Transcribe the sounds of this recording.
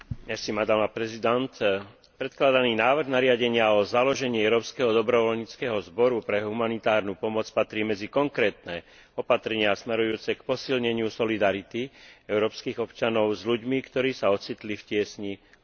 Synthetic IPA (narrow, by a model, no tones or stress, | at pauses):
ɲɛsimad̪amapɾɛzid̪ant̪ | pɾɛt̪̚klad̪aniːnaːʋrɣnaɾɪaɟɛɲɪaɔzalɔʒɛɲɪɛɛʊɾɔːpskɛɦɔd̪ɔbɾɔʋɔlɲiːt͡skɛːɦɔzbɔɾupɾɛɦumanit̪aːɾnupɔmɔt͡spat̪ɾiːmɛd͡zikɔŋkɾɛːt̪nɛ | ɔpat̪ɾɛɲɪasmɛɾujuːt͡sɛkpɔsilɲɛɲɪusɔlid̪aɾit̪iɛʊɾɔːpskiːɣɔpt͡ʃanɔʊzʎuɟmikt̪ɔɾiːsaɔt͡sit̪lifcɪɛsɲi